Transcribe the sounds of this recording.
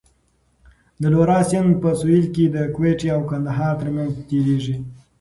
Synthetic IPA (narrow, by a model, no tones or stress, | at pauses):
d̪əloɾɑsɪnd̪pəsoilked̪əkweʈiawkand̪aɦɑɾt̪ɾmanzt̪eɾeʐi